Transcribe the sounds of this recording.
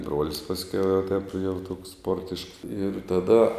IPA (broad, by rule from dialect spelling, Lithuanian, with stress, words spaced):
ˈbruɔlʲɪs pɐsʲˈkʲɛʊ jɛʊ tɐɪp jɛʊ toːks ˈspoːrʲtʲɪʃks ɪr tɐˈdɐ